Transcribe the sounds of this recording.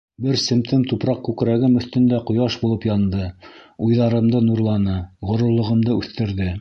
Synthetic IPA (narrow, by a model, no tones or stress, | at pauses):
bɘɾsɘ̆mt̪ɘmt̪upɾɑq̚kʉkɾæɡɘmɵ̆θt̪ɘ̆nd̪æqŏjɑʃbulˠɤpjɑnd̪ɤujðɑɾɤ̆md̪ɤnuɾlˠɑnɤʁŏɾŏɾlˠɤ̆ʁɤ̆md̪ɤʉθt̪ɘ̆ɾðɘ